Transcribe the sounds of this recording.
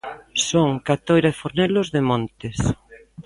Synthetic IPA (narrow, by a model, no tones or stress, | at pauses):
soŋkat̪ojɾaefoɾnɛlozðemõnt̪es